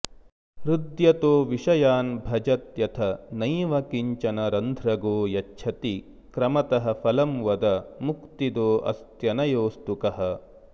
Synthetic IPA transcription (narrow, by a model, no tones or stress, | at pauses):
ɾud̪jɐt̪oːʋiʂɐjaːnbʱɐd͡ʒɐt̪jɐt̪ʰɐnɐjʋɐkiɲt͡ʃɐnɐɾɐnd̪ʱɾɐɡoːjɐt͡ʃːʃʰɐt̪i | kɾɐmɐt̪ɐɦɐ̆fʰɐlɐmʋɐd̪ɐmukt̪id̪oːʔɐ̰st̪jɐnɐjoːst̪ukɐɦɐ̆